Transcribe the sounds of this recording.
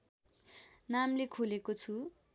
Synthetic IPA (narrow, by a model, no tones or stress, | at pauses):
namlekʰulekot͡sʰu